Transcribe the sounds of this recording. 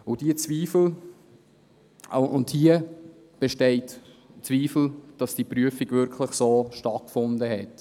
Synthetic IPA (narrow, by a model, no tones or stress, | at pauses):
ʊdiət͡sviːfl̩ | ʊnthiə | b̥eʃtɛɪt | t͡sviːfl̩d̥ɑsd̥iːpryəfiɡvʏɾkʰləχsoːʃtɑt̚kfʊndəɦɛt